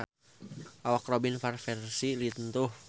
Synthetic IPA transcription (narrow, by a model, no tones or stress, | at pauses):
ʔawakrɔbinfarfɛrsilit̪ənt̪ʊh